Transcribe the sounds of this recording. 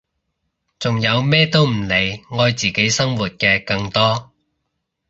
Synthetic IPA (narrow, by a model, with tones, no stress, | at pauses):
t͡sʊ˨ŋjɐ˨˧wmɛː˥t̪o˥wm̩˨˩ne˨˧jŋɔː˧jt͡siː˨ke˨˥jsɐ˥ŋwuː˨t̚kɛː˧kɐ˧ŋt̪ɔː˥